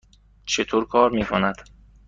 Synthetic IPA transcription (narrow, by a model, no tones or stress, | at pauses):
t͡ʃʰet̪ʰoːɾkʰɒːɾmiːkʰonæd̪̥